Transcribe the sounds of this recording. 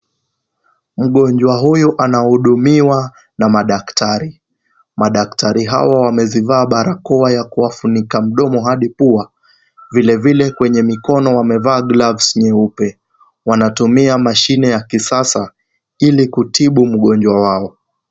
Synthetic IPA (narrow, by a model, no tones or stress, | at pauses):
m̩ɠɔɲd͡ʒwaɦujuʔanahuɗumiwa | namaɗaktʰaɾi | maɗaktʰaɾiɦa̰wawamɛzivaːɓaɾakɔajakuwafunikam̩ɗɔmɔɦaɗipua | vilɛvilɛkwɛɲɛmikɔnɔwamɛvaːɡlavsɲɛupɛ | wanatumiamaʃinɛjakisasa | ilikutʰiɓum̩ɠɔnd͡ʒwawaɔ